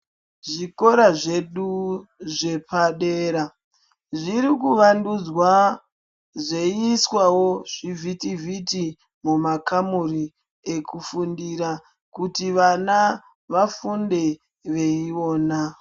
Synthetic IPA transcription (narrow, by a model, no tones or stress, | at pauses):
ʐiko̞ɾaʐe̞ɗuʐe̞paɗe̞ɾa | ʐiɾikuʋandud͡zwa | ʐeiswawoʐ̥ivʱitivʱiti | mumakamuri | e̞kufundiɾa | kutiʋana | ʋafunde̞ | ʋe̞io̞ːna